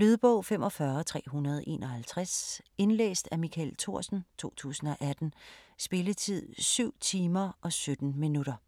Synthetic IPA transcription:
lyð̞ˠb̥ɔ̽ʊ̰femʔɒ̽fɶɐt͡sʰʁɛ̰ːɦunɐð̞ˠʔe̝̰ːnʔɒhælt͡sʰʁase̝nlḛːsd̥æmikʰælt͡sʰo̝ɐ̰sn̩t͡sʰo̝̰ːt͡sʰṵːsn̩ɒ̽ʔæd̥n̩sb̥e̝lət͡sʰið̞̰ˠsyʊ̰t͡sʰiːmɐʔɒ̽sød̥n̩minuɾ̥ɐ

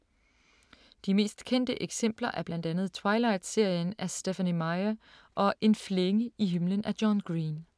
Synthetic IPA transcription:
d̥ime̝̰ːsd̥kʰen̰d̥əʔeɡ̥sem̰b̥lɐʔæɐb̥lænd̥ænð̩ˠt͡sʰwɑ̈ɪlɑ̈ɪd̥se̝ɐ̰jənæɐsd̥efænimɑɪɐ | ʔɒ̽ʔe̝nfleŋəiɦimlənʔæ̥jɒnɡ̥ʁiːn

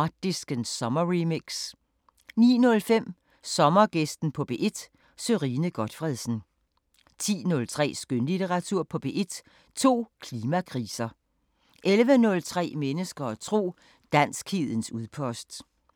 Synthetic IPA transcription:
ɑ̥̈d̥isɡ̥ənsɒ̽mɐʁimiɡ̥s | nḭːnɔ̽lfem̰ | sɒ̽mɐɡ̥esd̥n̩pʰɒ̽b̥e̝̰ːʔe̝d̥ | søʁiːnəɡ̥ɒ̽d̥fʁɛðˠsn̩ | t͡sʰḭːnɔ̽lt͡sʰʁɛ̰ːsɡ̥ønlit͡seʁɑ̈t͡sʰuɐ̰pʰɒ̽b̥e̝ʔe̝d̥ | t͡sʰo̝̰ːkʰliːmækʰʁiːsɐ | ʔelʋənɔ̽lt͡sʰʁɛ̰ːmenəsɡ̥ɐːt͡sʰʁo̝̰ː | d̥æn̰sɡ̥hið̰ˠən̩suðˠpʰɒ̽sd̥

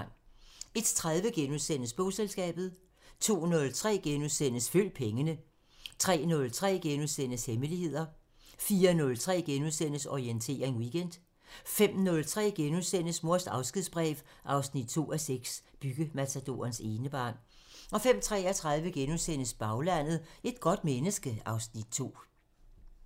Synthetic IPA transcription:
ne̝d̥t͡sʰʁäðˠʋəɡ̥enuðˠsen̰əsb̥ɔʊselsɡ̥ɛ̰ːb̥ð̩ˠ | t͡sʰo̝̰ːnɔ̽lt͡sʰʁɛ̰ːɡ̥enuðˠsen̰əsføl̰d̥̚pʰeŋənə | t͡sʰʁɛ̰ːnɔ̽lt͡sʰʁɛ̰ːɡ̥enuðˠsen̰əsheməlihe̝ð̞̰ˠɐ | fiːɐnɔ̽lt͡sʰʁɛ̰ːɡ̥enuðˠsen̰əsɒient͡sʰe̝̰ːɐʁeŋwiɡ̥en̰d̥ | fem̰nɔ̽lt͡sʰʁɛ̰ːɡ̥enuðˠsen̰əsmo̝ɐsd̥ɑ̈ʊsɡ̥iðˠsb̥ʁɛ̰ːʋ | ʔɑ̈ʊsnid̥̚t͡sʰo̝̰ːæseɡ̥sb̥yɡ̥əmæt͡sʰæd̥o̝̰ːɐnse̝ːnəb̥ɑ̰̈ːn | ɒ̽fem̰t͡sʰʁɛ̰ːɒt͡sʰʁɑ̈ðˠʋəɡ̥enuðˠsen̰əsb̥ɑ̈ʊlæn̰ð̞̩ˠe̝d̥ɡ̥ɒ̽d̥̚menəsɡ̥əɑ̈ʊsnid̥̚t͡sʰo̝̰ː

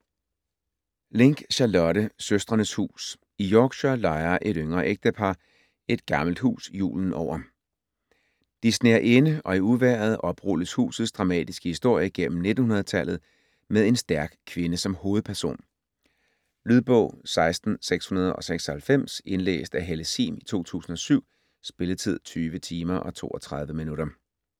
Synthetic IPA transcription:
le̝ŋɡ̥ɕælɒ̽ɾəsøsd̥ʁɐnəshṵːs | ijɒːɡ̥ɕɒlɑ̈ɪɐʔe̝ɾøŋɐʔeɡ̥̚d̥əpʰɑ̈ | e̝d̥ɡ̥ɑ̈ml̩d̥hṵːsjṵːln̩ʔɒʊ̰ɐ | d̥isne̝ɐʔenəɒ̽iuʋæɐð̞ˠʔɒ̽b̥ʁuləshṵːsð̩ˠsd̥ʁɑ̈mɛ̰ːd̥isɡ̥əhisd̥o̝ɐ̰jəɡ̥em̰m̩ne̝d̥n̩hunɐð̞̩ˠt͡sʰæl̰ð̞̩ˠ | meðˠe̝nsd̥æɐɡ̥kʰʋe̝nəsɒ̽mho̝ːð̩ˠpʰæɐso̝̰ːn | lyðˠb̥ɔ̰̽ʊ̰sɑ̈ɪsd̥n̩seɡ̥shunɐð̞ˠɒ̽seɡ̥sɒhælfem̰se̝nlḛːsd̥æɦeləsḭːmit͡sʰo̝̰ːt͡sʰṵːsn̩ɒ̽syʊ̰ | sb̥e̝lt͡sʰið̞̰ˠt͡sʰyːʋət͡sʰiːmɐʔɒ̽t͡sʰo̝̰ːɒt͡sʰʁɑ̈ð̞ˠʋəminuɾɐ

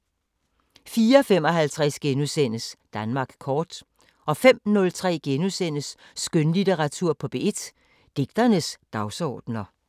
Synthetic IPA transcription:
fiːɐɒfem̰ɒ̽ɦælt͡sʰʁasɡ̥enusen̰əsd̥ænmɑ̈ːɡ̥kʰɒːd̥ | ʔɒ̽fem̰nɔ̽lt͡sʰʁɛ̰ːɡ̥enusen̰əsː | ɡ̥ønlideʁɑ̈t͡sʰuɐ̰pʰɒ̽b̥e̝ed̥ | d̥e̝ɡ̥̚d̥ɐnəsd̥ɑ̈ʊsɒ̰ːd̥nɐ

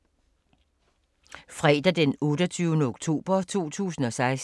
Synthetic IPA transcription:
fʁɛ̰ːd̥ɐd̥enɔ̽ːɾ̥ɐt͡sʰyːʊnəoɡ̥t͡sʰo̝̰ːb̥ɐt͡sʰo̝̰ːt͡sʰṵːsn̩ɒ̽sɑ̈ɪs

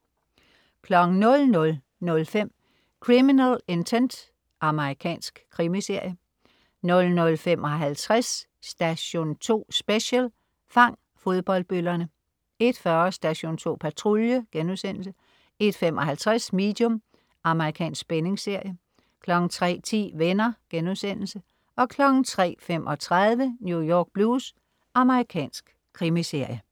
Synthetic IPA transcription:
kʰlɒ̽ɡ̥ŋ̩nɔ̽lnɔ̽l | nɔ̽lfem̰ | kʰʁiminæle̝nt͡sʰend̥ | ʔɑ̈məʁikʰɛ̰ːnsɡ̥kʰːʁimise̝ɐ̰jə | nɔ̽lnɔ̽lfemʔɒ̽ɦælt͡sʰʁasː | d̥æɕo̝ːnt͡sʰo̝̰ːsb̥eɕəl | fɑ̈ŋ̰ | fo̝ð̞ˠb̥ɒ̽l̰d̥̚b̥ølɐnə | e̝d̥fɶɐɐsd̥æɕo̝̰ːnt͡sʰo̝̰ːpʰæt͡sʰʁoljəɡ̥enuðˠsen̰l̩sə | e̝d̥femʔɒ̽ɦælt͡sʰʁasme̝̰ːd̥jɔ̽m | ɑ̈məʁikʰɛ̰ːnsɡ̥̚b̥ene̝ŋse̝ɐ̰jə | kʰlɒ̽ɡ̥n̩t͡sʰʁɛ̰ːt͡sʰḭːʋenɐɡ̥enusen̰l̩sə | ɒ̽kʰlɒ̽ɡ̥n̩t͡sʰʁɛ̰ːfem̰ʔɒ̽t͡sʰʁaðˠʋənjujɒːɡ̥̚b̥luːs | ɑ̈məʁikʰɛ̰ːnsɡ̥ | kʰʁimise̝ɐ̰jə

